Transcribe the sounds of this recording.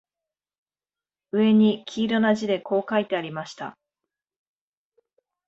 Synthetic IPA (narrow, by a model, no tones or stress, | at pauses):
ɯ̟e̞ɲ̟ikʲʰiːɾo̞naʑid̪e̞ko̞ːkait̪e̞aɾʲimaɕi̥t̪a̰